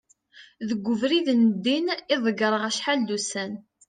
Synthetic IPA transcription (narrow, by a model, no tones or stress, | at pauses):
ðəɡʷːʊvɾiðnəd̪ːinɪðˤəɡɾˤəʁæʃħalːusæn